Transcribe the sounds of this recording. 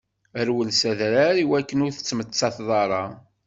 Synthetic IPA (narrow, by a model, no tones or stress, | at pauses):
əɾwəlsæðɾaɾiwækːənʊɾθə̥t͡sːmət͡sːɑθðˤɑɾˤɑ